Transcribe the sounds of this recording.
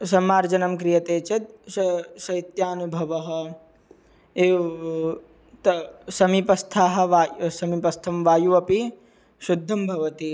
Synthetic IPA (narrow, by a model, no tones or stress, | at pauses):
sɐmaːɾd͡ʒɐnɐmkɾijɐt̪eːt͡ʃɐt̪̚ʃɐʃɐit̪jaːnubʱɐʋɐɦɐ̆ | eː | t̪ɐsɐmipɐst̪ʰaːɦɐ̆ʋaːsɐmipɐst̪ʰɐmʋaːjuɐpi | ʃud̪ʱːɐmbʱɐʋɐt̪i